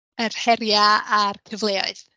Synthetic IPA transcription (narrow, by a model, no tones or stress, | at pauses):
ərhɛɾjaarkʰəvlˠeːɔ̰ɨθ